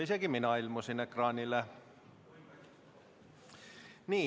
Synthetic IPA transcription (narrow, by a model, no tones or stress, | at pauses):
isekiminɑilmusinːekrɑːnile | niː